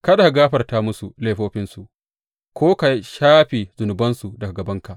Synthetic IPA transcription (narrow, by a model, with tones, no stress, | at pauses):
kɐ˦da˨ka˨ɡaː˦ɸɐ˨rtaː˦mʊ˦su˨leː˦ɸoː˦ɸɪ˦nsu˨ʔ | kʰʷoː˦ka˨ʃaː˦ɸe˨zʊ˨nʊ˨bɐ˦nsu˨dɐ˨ka˨ɡɐ˨bɐ˦ŋka˨ʔ